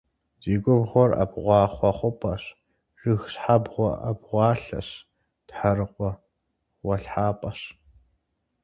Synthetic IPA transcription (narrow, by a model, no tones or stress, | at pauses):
z̥iːɡʷʼʊbʁʷɔrɐ̰bʁʷɑːχʷɔχʷʊpʼɐɕ | rɨxsħabʁʷɔ̰ʔɐbʁʷɑːɬɐ̰ɕ | tħaɾɨqʷʼɔ | wɐɬħaːpʼɐɕ